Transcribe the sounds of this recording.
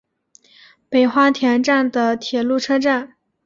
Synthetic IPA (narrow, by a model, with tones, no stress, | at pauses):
pe˨˩ɪxwa˥t̪ʰjɛ˧˥nʈ͡ʂa˥˩nd̪ə˩t̪ʰjɛ˨˩lu˥˩ʈ͡ʂʰɤ˥ʈ͡ʂa˥˩n